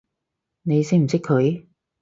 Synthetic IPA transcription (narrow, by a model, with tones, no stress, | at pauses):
ne˨˧jsɪ˥m̩˨˩sɪ˥kʰːɵ˨˧ɥ